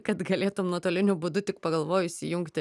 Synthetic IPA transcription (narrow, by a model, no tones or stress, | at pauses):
kɐt̪ɡɐlʲeːt̪ʊmnuɔt̪oːlʲɪnʲʊbʊd̪ʊt̪ʲɪkpɐɡɐlˠʋoːjʊɪsʲɪjʊŋkt̪ʲ